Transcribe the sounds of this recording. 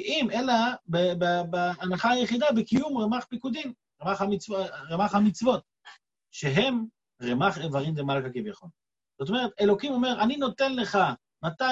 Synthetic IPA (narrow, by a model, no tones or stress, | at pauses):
ʔimelabebebeanaχaajeχid̪abekijumʁemaχpikud̪im | ʁemaχamit͡svʁemaχhamit͡svo̞t̪̚ | ʃeɦe̞m | ʁemaχevaʁimdemalkakivjaχon | z̥o̞t̪o̞me̞ʁet̪e̞lo̞kimo̞me̞ʁanino̞t̪e̞nle̞χa | mat̪a